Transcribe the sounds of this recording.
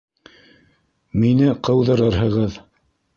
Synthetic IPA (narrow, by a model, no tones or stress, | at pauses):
minɘqʰɤ̆wðɤ̆ɾɤɾɦɤ̆ʁɤð